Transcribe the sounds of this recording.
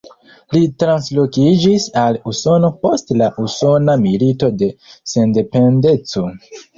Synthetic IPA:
litɾanslo̞kid͡ʒisaluso̞no̞po̞stlaʔuso̞namilito̞de̞se̞nde̞pe̞nde̞t͡so̞

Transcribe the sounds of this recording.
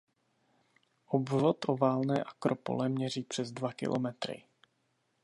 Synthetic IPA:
ʔobvot̪ʔovaːlnɛːʔakɾopo̰lɛmɲɛriːpr̥ɛzdvakɪ̰lo̰mɛt̪ɾɪ̰

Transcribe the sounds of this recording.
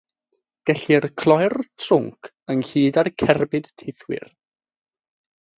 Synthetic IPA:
ɡ̥ɛɬirkʰlˠɔjrtʰrʊŋkʰ | əŋhiːdarkʰɛrbɪd̥tʰejθwɪ̰r

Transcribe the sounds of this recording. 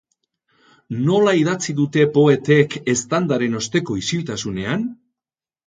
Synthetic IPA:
no̞laiðat͡siðut̪e̞po̞e̞t̪e̞ke̞st̪and̪aɾe̞no̞st̪e̞ko̞isilt̪asune̞an

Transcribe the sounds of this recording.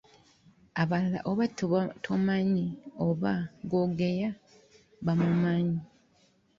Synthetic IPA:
aβalla̰ʔoβatotʰomaɲioβaɡoɡeja | βamumaːɲi

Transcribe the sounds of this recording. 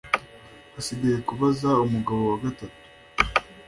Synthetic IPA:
asiɡajekuβazaumuɡaβo̞waɡatatu̥

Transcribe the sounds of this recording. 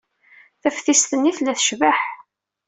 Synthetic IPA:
θæfθisθənːiθlæθə̥ʃvəħ

